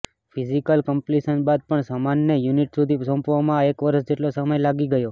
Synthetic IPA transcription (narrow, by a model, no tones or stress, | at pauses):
fʰizikəlkəmpliʃənbad̪̚pəɳsamanːejuniʈsud̪ʱisə̃mpʋamãekʋəɾəʃd͡ʒeʈlosəməjlaɡiɡəjo